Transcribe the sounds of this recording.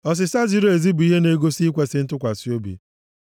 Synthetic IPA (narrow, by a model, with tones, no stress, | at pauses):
ɔ˨s̬ɪ˨sa˦zi˦ɾo˦e˨zi˦bu˨i˦ɦe˦ne˦ɡo˦si˦kʷe˦sɪ˦n̩˦tʊ˦kʷa˨si˦o˦bḭ˨